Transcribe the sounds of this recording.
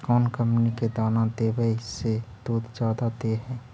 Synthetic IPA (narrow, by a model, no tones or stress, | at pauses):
kɔːnkə̃mpniked̪aːnad̪eːbəised̪̥oːd̪d͡ʒjaːd̪ad̪eːɦɛ̃ː